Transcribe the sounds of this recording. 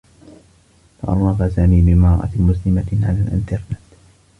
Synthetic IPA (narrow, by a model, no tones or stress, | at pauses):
faʔɑ̰ɾˤːɑbasaːmiːbɪmɑɾˤʔa̰mʊslɪmaʕalaːlʔɪ̰nt̪ɑɾˤnɪt̪